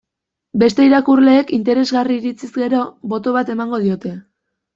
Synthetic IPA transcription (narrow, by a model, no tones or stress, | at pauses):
be̞st̪e̞iɾakurle̞ːkint̪e̞ɾe̞zɣariːɾit͡sizɡe̞ɾo̞βo̞t̪o̞βat̪e̞maŋɡo̞ðio̞t̪e̞